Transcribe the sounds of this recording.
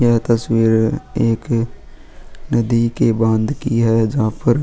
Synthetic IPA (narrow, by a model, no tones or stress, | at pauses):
jɛɦt̪əswiːɾeːk | nəd̪ikebãnd̪kiɦɛːd͡ʒɦãːpəɾ